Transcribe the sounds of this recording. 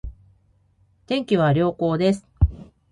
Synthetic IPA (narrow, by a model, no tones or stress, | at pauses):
t̪ẽ̞ŋkʲiβ̞aɾʲo̞ːko̞ːd̪e̞sɨ̥